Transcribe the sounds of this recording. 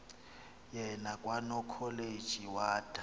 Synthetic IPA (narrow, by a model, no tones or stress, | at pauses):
jɛnakʼwanɔkʰɔled̥ʒ̥ʱiwaːd̥ʱa